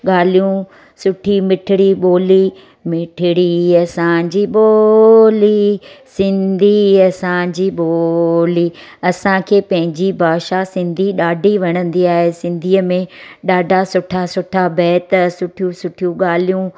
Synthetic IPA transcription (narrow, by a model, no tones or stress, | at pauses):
ɠaːl̤ijũ | sʊʈʰimɪʈʰɪɽiɓoːli | mɪʈʰɪɽiɐsãd͡ʑiɓoːlisɪ̃nd̪ʱiɐsãd͡ʑiɓoːli | ɐsãkʰeːpɐ̃ɦɪ̃ɲd͡ʑibʱaːʃasɪ̃nd̪ʱiɗaːɖʱiʋɐɽ̃ə̃nd̪iaːɦesɪ̃nd̪ʱiːəmẽɗaːɖʱasʊʈʰasʊʈʰabɛːt̪sʊʈʰijũsʊʈʰijũɠaːl̤ijũ